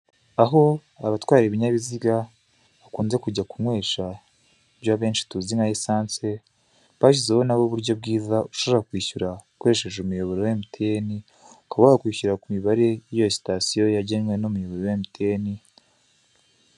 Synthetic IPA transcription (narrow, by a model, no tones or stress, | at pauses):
aɦo̞ | aβatwaːɾeβiɲaβiziɡa | βakuːnze̞kuɟakumwe̞ːʃa | bjaβe̞ːnʃi̥tuziŋajisaːnse̞ | βaɕizeho̞naβoβuɾɟo̞b̚ɡiːzauʃoβɾakwiːçuɾakwoɾeʃe̞ʒumujo̞βo̞ɾewemutʰe̞ni | ukaβaɡakwiːɕuɾakumiβaɾe̞jijosi̥tasijo̞jaɟenwe̞nomujo̞βo̞ɾowemitʰeni